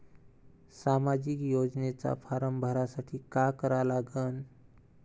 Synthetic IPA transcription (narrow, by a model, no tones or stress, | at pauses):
samad͡ʒikjod͡ʒnet͡ʃa̰pʰaɾəmbʱəɾasaʈʰikakəɾalaɡən